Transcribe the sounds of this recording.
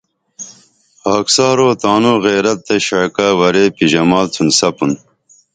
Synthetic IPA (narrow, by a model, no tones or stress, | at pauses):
aːksɑːɾoːt̪aːnoɣeːɾɐt̪̚ːeɕaːkawɐɾepiʑɐmaːlt͡sʰunsɐpun